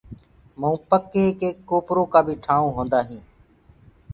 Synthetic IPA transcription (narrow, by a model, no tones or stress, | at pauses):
məũːpəkːeːkeːkːoːpɾoːkaːbʱiːʈʰaːũːɦõːnd̪aːɦĩː